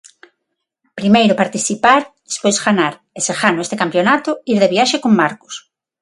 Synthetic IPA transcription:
pɾimejɾʊpaɾt̪iθipaɾðespojsɣanaɾ | esexanʊest̪ekampjonat̪ʊiɾðeβiaʃekoŋmaɾkʊ̥s

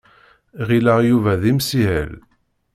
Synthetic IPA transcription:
ʁilæʁjuvæðimsihə̰l

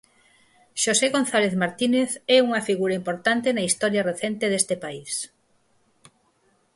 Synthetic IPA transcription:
ʃoseɣon̟θaleðmaɾt̪ineθɛuŋɐfiɣuɾɐimpoɾt̪ant̪enɐist̪ɔɾjɐreθɛnt̪eðest̪epais

